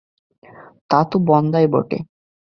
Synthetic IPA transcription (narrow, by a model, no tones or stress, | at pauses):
t̪at̪ubɔnd̪ajbɔ̰ʈḛ